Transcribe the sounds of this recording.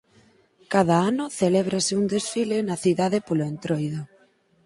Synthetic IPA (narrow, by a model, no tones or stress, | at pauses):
kaðaanʊθelɛβ̞ɾasɪund̪esfilenɐθiðaðepoloent̪ɾojðo